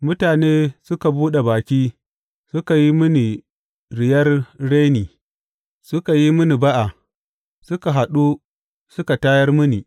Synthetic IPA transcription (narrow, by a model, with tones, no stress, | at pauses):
mʊ˦taː˨neː˦sʊ˦ka˨buː˦ɗe˨baː˨kʲiː˦ | sʊ˦ka˨ji˦mʊ˦ni˨ | ɾɪ˨jɐ˦rɽe˦niː˨ | sʊ˦ka˨ji˦mʊ˦ni˨ba˦ʔa˨ | sʊ˦ka˨ɦa˨ɗu˦ | sʊ˦ka˨taː˦jɐ˦rmʊ˦ni˨